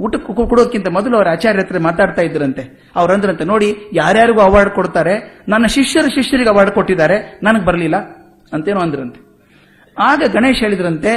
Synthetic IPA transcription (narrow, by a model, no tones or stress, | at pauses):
uʈːɐkkkuɽod̪ɐkːint̪ɐmɔd̪ɐluɐʋɐɾaːt͡ʃaːɾjɛt̪ɾemaːt̪aːɖt̪aːjid̪ːɐɾɐnt̪e̞ | ɐʋɐɾɐnd̪iɾɐnt̪eno̞ːɽijaːɾjaːɾiɡuːɐʋaːɖkoɽt̪aːɾe̞nɐnːɐʃiʂjɐɾɐʃiʂjɐɾiɡeɐʋaːɖko̞ʈːid̪aːɾe̞nɐnɐɡebɐɾɐlilːɐ | ɐnt̪ɐeːnuːɐnd̪iɾɐnt̪e̥ | aːɡɐɡɐɳe̞ːʃɦeːɭid̪ɐɾɐnt̪e̞